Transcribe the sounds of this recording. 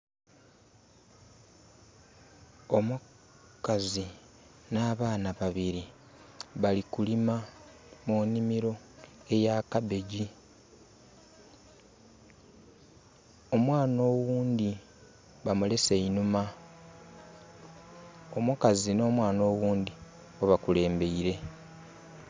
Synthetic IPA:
o̞mu | kazi | naːβaːnaβaβiɾi | βalikulima | munimiɾo̞ | e̞jakabe̞ɟi | o̞mwaːno̞ːwuːnd̪i | βamule̞seinuma | omukazino̞ːmwaːno̞ːwuːnd̪i | oβakule̞ːmbe̞iɾe̞

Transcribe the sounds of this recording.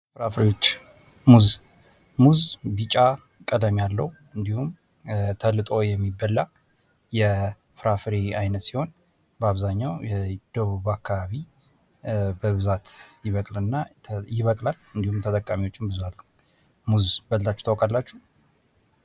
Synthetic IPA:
fɨɾafɾewot͡ʃː | muz | muzbit͡ʃʼːa | kʼəd̪əmijalːəhu | ɨnd̪ihum | t̪ʰəlːɨt̪ʼo̞jɛmːibəlːa | jɛ | fɨɾafɾeajnət̪siho̞n | bəaβzaɲːawjɛd̪̥əβuβakʰːaβaβi | bəβɨzat̪jɪβəkʼlɨnːajɪβəkʼlalɨnd̪ihumt̪ʰət̪ʼəkʼːamiwo̞t͡ʃːɪmbɨzualːə | muzbələt̪ʰat͡ʃːɛ̥t̪awkʼalːat͡ʃːu

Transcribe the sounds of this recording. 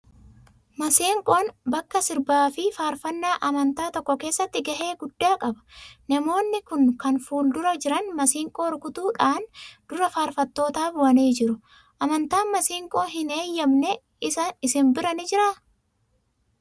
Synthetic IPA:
mɐsiːŋkʼoːnbɐkːɐsɪɾbaːfɪfaːɾfɐnːaːʔɐmɐnt̪aːt̪ɔkːɔke̞ːsːɐt̪ːɪɡɐɦe̞ːɡʊd̪ːaːkʼɐbɐ̥nɐmo̞ːnːɪkʊnkɐnfuːld̪ʊɾɐd͡ʒɪɾɐnmɐsiːŋkʼoːɾkʊt̪uːᶑaːnd̪̥ʊɾɐfaːɾfɐt̪ːo̞ːt̪aːbʊɐniːd͡ʒɪɾʊ | ʔɐmɐnt̪aːnmɐsiːŋkʼoːɦɪne̞ːjːɐmnɛ | ɪsɐɪsɪnbɪɾɐnɪd͡ʒɪɾɐ

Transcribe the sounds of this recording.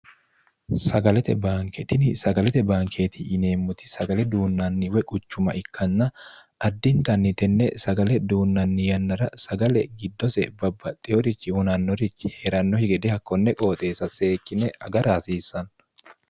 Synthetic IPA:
sɐɡɐlɛt̪ɛbaːŋkʰɛt̪ɪnɪsɐɡɐlɛt̪ɛbaːŋkʰeːt̪ʰɪʔːne̞ːmːʊt̪ɪ̥sɐɡɐlɛd̪uːnːɐnːɪwɛkʼʊt͡ʃːʊmɐʔɪkːɐnːɐ | ɐd̪ːɪnt̪ɐnːɪt̪ɛnːɛsɐɡɐlɛd̪uːnːɐnːɪjɐnːɐɾɐsɐɡɐlɛɡɪd̪ːɔsɛbɐbːɐt̪ʼːɪɔɾɪt͡ʃːɪhʊnɐnːɔɾɪt͡ʃːɪheːɾɐnːɔhɪɡɛd̪ɛhɐkːɔnːɛkʼo̞ːt̪ʼe̞ːsɐse̞ːkːɪnɛɐɡɐɾaːsiːsːɐn

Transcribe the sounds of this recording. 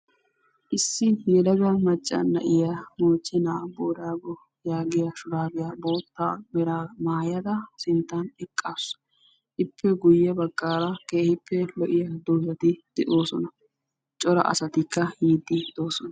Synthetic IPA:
ʔɪsːɪjɛlɐɡɐmɐt͡ʃʼːɐ̰nːɐ̰ʔɪjamoːt͡ʃʼːɛnaːboːɾaːɡɔ | jaːɡɪjɐʃʊɾaːbɪjabo̞ːt̪ːaːbɛɾaːmaːjɐd̪ɐsɪnt̪ːɐnɛkʼːas | ʔɪpʰːɛɡʊjːɛbɐkʼːaːɾɐkeːhɪpʰːɛlɔʔɪjɐd̪oːzɐt̪ɪd̪̥ɛʔo̞ːsɔnɐ | t͡ʃʼɔɾɐ̰ʔɐ̰sɐt̪ɪkːɐjiːd̪ːɪd̪oːsɔnɐ

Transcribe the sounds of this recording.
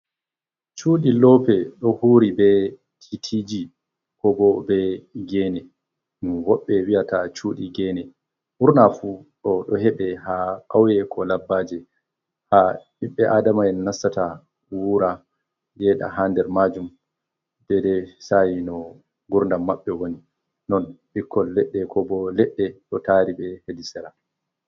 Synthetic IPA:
t͡ʃuːɗilɔːpɛɗɔhuːɾibɛ | tʰitʰid͡ʒi | kɔbɔbɛɡɛnɛ | nuwɔɓːɛwiatat͡ʃuːɗiɡɛnɛ | huɾnafuɗɔɗɔɦɛɓɛɦakawjɛkʰɔlabːaːd͡ʒɛ | ha | imɓɛʔaːdamaɛnnasːata | wuːɾa | jɛɗa̰ɦandɛɾmad͡ʒum | d̥ɛdɛsajinɔ | ɡuɾndamːaɓːɛwoni | nɔnɓikːɔlːɛɗːɛkʰɔbɔlɛɗːɛɗɔtaːɾiɓɛhedisɛɾa

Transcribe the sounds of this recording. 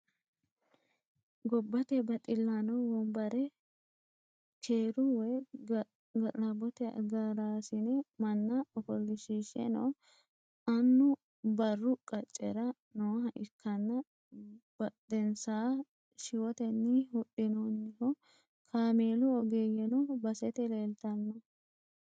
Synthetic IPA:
ɡɔbːɐt̪ɛbɐt̪ʼɪlːanɐwɔmbɐɾɛ | kʰeːɾʊwɛ | ɡɐʔʼɐbɔt̪ɛɐ̰ɡaɾaːsɪnɛmɐnːɐɔfɔlːɪʃiːʃɛ̰nɔ̰ | ɐnːʊ | bɐrːʊkʼɐt͡ʃʼːɛɾɐ | nɔwɦɐʔɪkʰːɐnːɐ | bɐd̪ɛnsaː | ʃɪwɔt̪ɛnːɪhʊɗːɪnɔnːɪhɔ | kʰaːmeːlʊɔɡeːjɛnɔbɐsɛt̪ɛleːlt̪ɐnːɔ

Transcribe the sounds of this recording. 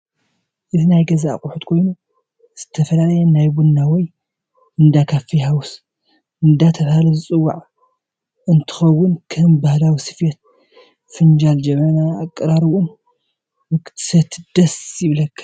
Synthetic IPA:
ʔɨzinajɡɐzaa̰kʼʊħut̪kʰo̞jnu | z̥ɨt̪ʰɐfɐlalɐjɛnajbunːawɔj | ɨnd̪akʰafihawus | ɨnd̪at̪ʰɐβhalɐzɨt͡sʼɨwːa̰ʕ | ɨnt̪ʰɨ̥xɐwːʊnkʰɐmbahlawisɨ̥fjet̪̚ | fɨnd͡ʒald͡ʒɛmːɐnaːkʼːɨɾaɾɨwun | mɨkt̪ʰsɐt̪d̪̥ɐsjɪβlɐkʰːḁ

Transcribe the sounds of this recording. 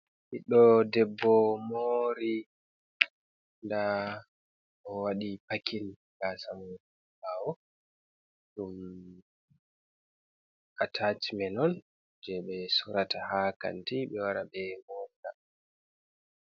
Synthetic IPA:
hiɗɔdɛbːɔmoɾi | nda | ʔɔwaɗipakʰin | ɡasamu | baːwɔ | ɗum | ʔatʰat͡ʃimɛnɔn | d͡ʒɛɓɛsuɾatahaka̰ntiɓɛwaɾabɛmɔnda

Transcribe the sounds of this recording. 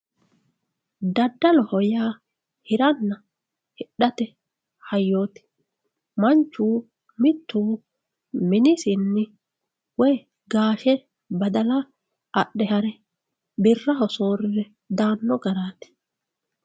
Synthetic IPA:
d̪ɐd̪ːɐlɔhɔjaː | hɪɾɐnːɐ | hɪɗːɐt̪ɛ | hɐjːo̞ːt̪ɪ̥ | mɐnt͡ʃːuː | mɪt̪ːuː | mɪnɪsɪnːɪ | wɔj | ɡaːʃɛ | bɐd̪ɐlɐ | ʔɐɗɛhɐɾɛ | bɪrːɐɦɔsoːɾɪɾɛ | d̪aːnːɔɡɐɾaːt̪ɪ̥

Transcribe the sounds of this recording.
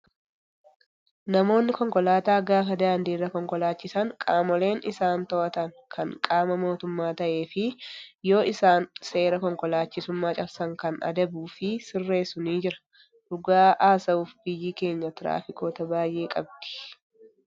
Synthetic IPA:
nɐmo̞ːnːɪkɔŋkɔlaːt̪aːɡaːfɐd̪aːnd̪iːrːɐkɔŋkɔlaːt͡ʃːɪsɐŋkʼaːmɔle̞ːnʔɪsaːnt̪ɔʔɐt̪ɐŋ | kʰɐŋkʼaːmɐmo̞ːt̪ʊmːaːt̪ɐʔe̞ːfɪjo̞ːʔɪsaːnse̞ːɾɐkɔŋkɔlaːt͡ʃːɪsʊmːaːt͡ʃʼɐɾsɐŋkɐnɐ̰d̪ɐbuːfɪsɪrːeːsʊniːd͡ʒɪɾɐ̥ | dʊɡaːʔaːsɐuːfbɪjiːke̞ːɲːɐt̪ɪɾa̰ːfɪko̞ːt̪ɐbaːjʔe̞ːkʼɐbd̪̥ɪ̥

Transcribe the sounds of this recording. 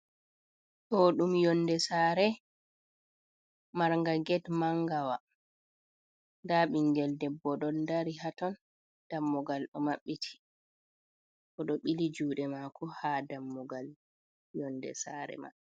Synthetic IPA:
tɔɗumjɔnːdɛsaːɾɛ | maɾŋɡaɡɛtmaŋɡawa | ndaɓiŋɡɛldɛbːɔɗɔndaɾiɦatɔn | d̥amːɔɡalɗɔmaɓːitʰi̥ | ʔɔɗɔɓilid͡ʒuːɗɛmakʰɔhaːdamːuɡal | jɔndɛ̰saːɾɛ̰ma̰

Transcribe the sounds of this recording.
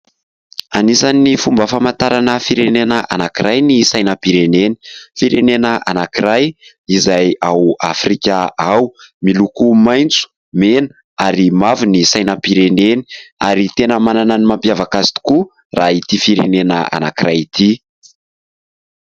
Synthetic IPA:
anisanifumbəfamant̪aɾanəfiɾenenəʔa̰nakiɾajnisajnəpiɾeneni̥fiɾenenəʔa̰nakiɾaj | izajawa̰frikʲaawmilukumajnt͡su̥ | menə̥ | aɾimavunisajnəpiɾeneni̥aɾit̪enəmanananimampjavakazi̥t̪u̥ku | rait̪ifiɾḛnenə̰a̰na̰kiɾajit̪i

